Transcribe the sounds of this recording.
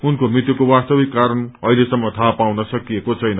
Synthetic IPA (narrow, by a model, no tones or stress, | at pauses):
unkomrit̪jukobast̪ʌbikːaɾʌnʌilesʌmːʌt̪ʰapawnʌsʌkiekot͡sʰʌjnʌ